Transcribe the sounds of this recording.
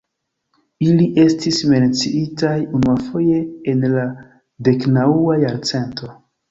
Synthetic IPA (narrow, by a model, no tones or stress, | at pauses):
iliʔe̞stisme̞nt͡siitajunuafo̞je̞ːnla | de̞knauajaɾt͡se̞nto̞